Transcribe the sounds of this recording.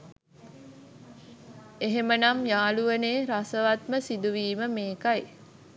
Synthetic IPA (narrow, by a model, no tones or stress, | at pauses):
eɦemənamjaːluʋəneːɾasəʋat̪məsid̪uʋiːməmeːkaj